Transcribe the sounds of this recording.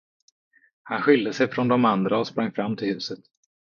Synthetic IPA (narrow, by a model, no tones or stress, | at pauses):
hanɧɪld̪əsɛjfɾɔnd̪ɔmand̪ɾaɔspɾaŋːfɾamːt̪ʰɪlhʉ̟ːsət̪